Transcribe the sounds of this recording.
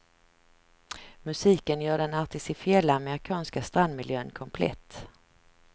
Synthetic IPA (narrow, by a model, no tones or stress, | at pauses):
mɵsiːkənjœːɖɛnaɾt̪ʰɪsɪfɪɛlːaːmɛɾɪkʰɑːnskast̪ɾand̪mɪljøːnkʰɔmpʰlɛ̰t̪ː